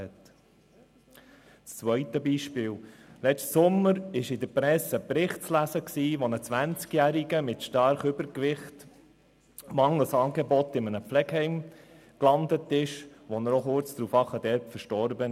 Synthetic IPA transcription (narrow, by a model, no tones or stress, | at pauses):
ɛt | st͡sʋœʏtəbiːʃpɪːllɛt͡ʃtsʊmːəɾɪʃɪd̪əpɾɛsəpɾɪχtt͡slæsəksiːʋɔnət͡sʋænt͡skjæɾiɡəmɪtʃtɑɾχʏbəɾkʋɪχt | mɑŋəl̩sɑːɡebɔt̪ɪmənəflɛɡɦɛɪm | klɑnd̪ət̪ɪʃʋɔnəɾɔχʊɾt͡sd̥̪ɾuːfɑχəd̥̪ɛɾpfəɾʃtɔɾbə